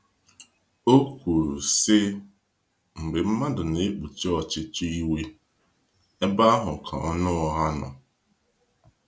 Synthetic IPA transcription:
o˦kʷu˨sɪ˦ | ŋ͡m̩˨ɡ͡be˨m̩˦ma˦dʊ˨ne˦k͡pu˨t͡ʃi˦ɔ˨t͡ʃɪ˦t͡ʃi˦i˦we˦ | e˦ba˦a˦ɦʊ˨kʰa̰˨ɔ˦nʊ˦ɔ˦ɦa˦nɔ̰˨

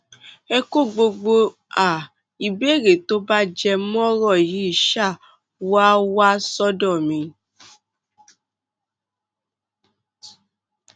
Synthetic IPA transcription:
ɛ˧ko˦˨ɡ͡bo˧ɡ͡bo˧ | a˨ | i˨be˦˨ɾe˨to˦ba˦d͡ʒɛ˧m˦ɔ̃˦ɾɔ˦˨ji˨˦i˦˨ʃa˦˨ | wa˦wa˦sɔ˦dɔ˦˨mĩ˧˦

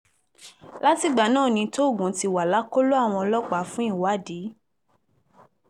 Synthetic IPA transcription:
la˦ti˦˨ɡ͡ba˨˦nãː˦˨nĩ˧to˦˨ɡũ˨˦ti˧wa˨la˨˦ko˦lo˦a˦˨w̃ɔ̃˧ɔ˧lɔ˦k͡pa˨˦fũ˦i˦˨wa˨˦˨diː˨˦

